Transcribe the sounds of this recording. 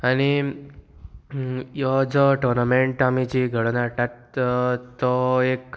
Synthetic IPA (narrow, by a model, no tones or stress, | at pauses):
añi | jɔd͡ʒɔʈɔɾnameɳʈamit͡ɕiɡʱəɽnaʈat̪ | t̪ːɔek